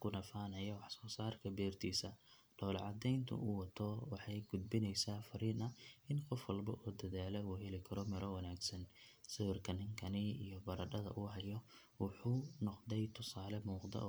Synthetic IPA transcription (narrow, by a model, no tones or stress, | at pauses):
kʰʊnɐfaːnɐjɐwɑħsɔːsaːrkʰɐbɛːrt̪ʰiːsɐ | ɖ̥ɔːlʕɑd̪ɛjnt̪ʰʊ̰ʔuwɑt̪ʰɔwɑħɑjɡʊd̪̚bɪnɛjsaːfɐɾiːnɐɪnqɔfwɐlbɐʔɔːd̪ɐðaːlɛuːɦɛlɪkʰɐɾɔmɪɾʔɔwɐnaːɡsɐnsɪwɪrkʰɐnɪŋkʰɐnɪḭjɔbɐɾɐɖɐðɐ̰ʔuːɦɐjɔ | wʊħuːnɔqd̪ɛjt̪ʰʊsaːlɛmuːqd̪ɐ̰